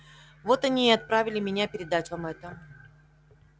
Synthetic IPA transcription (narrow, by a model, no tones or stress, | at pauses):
vo̞t̪ɐnʲiːɪɐt̪̚pɾavʲɪlʲɪmʲɪnʲapʲɪɾʲɪd̪atʲvamɛt̪ə